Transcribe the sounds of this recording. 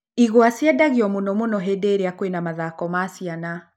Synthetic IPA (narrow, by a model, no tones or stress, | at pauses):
iɣwasiadaɣiɔmunɔmunɔɦɛdeɾijakwenamaðakɔmasiana